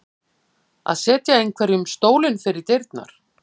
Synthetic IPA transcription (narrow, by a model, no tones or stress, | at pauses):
a̰ðsɛːt̪jaejnkʰvɛɾjʏmst̪oːwlɪnfɪɾɪɾ̥t̪ejɾt̪na̰ɾ̥